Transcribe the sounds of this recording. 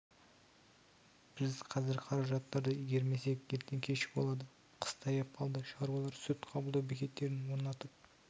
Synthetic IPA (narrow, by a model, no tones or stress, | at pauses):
b̥ɪzqʰɑzɪɾqʰɑɾɑʒɑt̪ːɑɾd̪əiɡʲe̞ɾme̞se̞kjelt̪eŋkʲʰe̞ʃɪ̥bolˠɑd̪ə | qʰə̥st̪ʰɑjɑp̚qʰɑlˠd̪əʃɑɾwɑlˠɑɾsɵt̪qʰɑbəlˠd̪ɑwbekʲe̞t̪ːe̞ɾɪnwo̞ɾnɑt̪əq̚